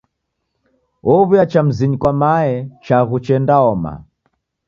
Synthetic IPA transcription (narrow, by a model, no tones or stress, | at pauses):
ɔβujat͡ʃam̩ziɲikwamaɛt͡ʃaɣut͡ʃɛndaɔma̰